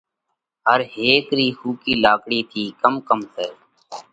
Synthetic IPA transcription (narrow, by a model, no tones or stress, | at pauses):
ɦəɾɦeːkɾiːhuːkiːlaːkɽiːt̪ʰiːkəmkəmseː